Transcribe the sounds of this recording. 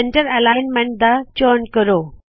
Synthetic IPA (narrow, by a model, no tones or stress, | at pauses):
eɳʈəɾɐlaɳmẽɳʈ̚d̪at͡ɕonkəɾoː